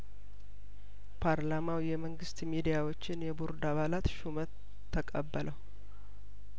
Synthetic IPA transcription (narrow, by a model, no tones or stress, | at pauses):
pʰaɾlamawjɛməŋɡɨst̪mid̪ijawo̞t͡ʃːɪnjɛbuɾd̪aβalat̪ʃumət̪ʰː | əkʼəbːəlʔəw